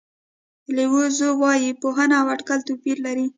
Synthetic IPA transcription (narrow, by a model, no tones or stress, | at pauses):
lewozowɑjipoɦənawaʈkalt̪opiɾlaɾi